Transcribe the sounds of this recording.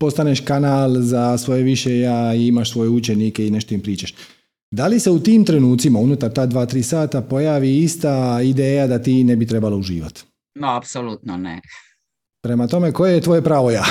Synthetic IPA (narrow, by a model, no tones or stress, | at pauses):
po̞st̪aneʃkanaːlˠzasʋo̞jeʋiʃejaːiimaʃsʋo̞jeut͡ɕenike̞ine̞ʃt̪oimpɾiːt͡ʃaʃ | d̪alise̞ut̪iːmt̪ɾe̞nuːt̪simaunut̪aɾt̪aːd̪ʋaːt̪ɾiːsaːt̪apo̞jaːʋiist̪aid̪eːjad̪at̪iːne̞bit̪ɾe̞balouʒḭːʋa̰t̪ | noapsolut̪nonḛ | pɾe̞mat̪o̞me̞ko̞jejet̪ʋo̞je̞pɾaːʋo̞jaː